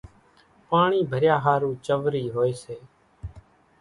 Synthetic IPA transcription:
paːɳiːbʱəɾjaːɦaːɾũːt͡ʃəʋɾiːɦoːeːseː

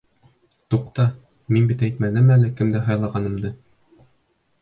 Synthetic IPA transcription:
t̪uqt̪ɑ | minbit̪æjt̪mænɘmælɘkɘmd̪æɦɑjlˠɑʁɑnɤ̆md̪ɤ

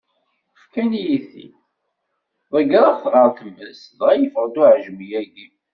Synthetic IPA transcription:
fkænijiθḭ | ðˤəɡɾˤɑθɾˤɑʁˤt̪əmːəsðʁæjəfɾˤd̪uʕʒmijæɡi

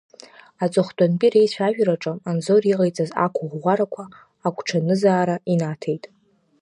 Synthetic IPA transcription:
at͡sʼɨχtʼanpʼiɾejt͡ɕʷʰᶣaʒᶣraʈ͡ʂʼɨmanzoriqajt͡sʼaza̰kʷʰʊʁʷʁʷaɾakʷʰaː | kʷʰʼʈ͡ʂʰanɨzaːɾainatʰejtʼ

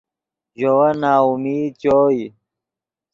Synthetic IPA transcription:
ʑowɐnaːumiːt͡ɕoːi

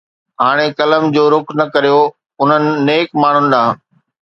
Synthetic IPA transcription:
ɦaːɽ̃ekɐləmd͡ʑoːɾʊknɐkɐɾijo | ʊn̤ənɪ̆nːeːkmaːɳ̤ʊnɪ̆ɗãː

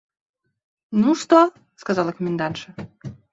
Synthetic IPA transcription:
nuʃt̪o | skɑzɑlɑkomĕnd̪ɑnʃə̆

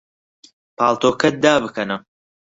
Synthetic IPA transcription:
pʰaːlˠt̪oːkʰɐt̪̚d̪aːbɨkʰɐnɐ

